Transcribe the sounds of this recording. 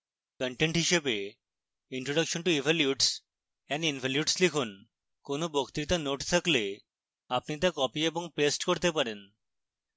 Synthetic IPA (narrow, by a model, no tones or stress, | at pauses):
kəɳʈeɳʈɦiʃebe | iɳʈɾoɖəkʃonʈuibʱaljuɖs | ɛninfaljuʈslikʰun | konobokt̪ɾit̪anoʈt̪ʰakle | apnit̪̬akɔpieboŋpesʈkoɾt̪epaɾen